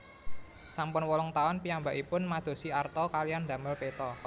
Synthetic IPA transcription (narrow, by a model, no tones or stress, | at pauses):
sampʊnwɔlɔŋt̪aʊnpiambaʔipʊnmad̪̥o̤siart̪ɔkalijand̪ä̤mərpet̪ɔ